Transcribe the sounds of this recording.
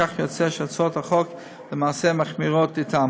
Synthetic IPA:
aχjɔt͡sɛʃat͡sothaχɔk | ləmaːsemaχmiʁotɪtʰa

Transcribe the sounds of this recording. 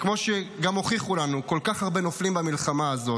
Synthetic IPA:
kmo̞ʃeɡamho̞χiχulanuko̞lkaχhaʁbe̞noflimbamilχamaːzo̞

